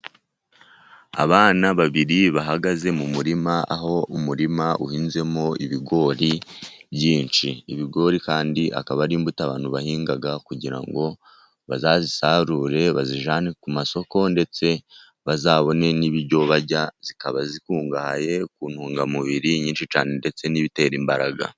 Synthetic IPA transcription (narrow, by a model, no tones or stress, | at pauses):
a̰βaːnaβaβiɾiβaɦaɡaze̞mumuɾimaa̰ɦo̞umuɾimaʔuhiːnze̞mo̞iβiɡo̞ːɾiβjiːnt͡ʃiiβiɡo̞ɾikaːndiʔa̰kaβaɾiːmbutaβaːn̥huβahiːŋɡaɡakuɟiɾa̰ŋɡo̞ | βazazisaːɾuɾe̞βaziʒaːnekumaso̞ko̞nde̞t͡se̞ | βazaːβo̞ne̞niβiɾɟo̞βaɟaz̥ikaβazikuːŋɡahaje̞kuːn̥huːŋɡamuβiɾiɲiːnʃit͡ʃaːne̞nde̞t͡se̞niβite̞ːɾimbaɾaɡa̰